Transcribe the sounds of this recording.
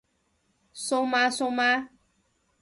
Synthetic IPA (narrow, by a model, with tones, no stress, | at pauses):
so˦ma˦so˦ma˦